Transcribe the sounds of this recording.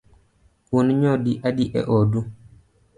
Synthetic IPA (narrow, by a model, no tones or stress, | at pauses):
uniɲɔdiʔadiʔɛ̰ʔɔdu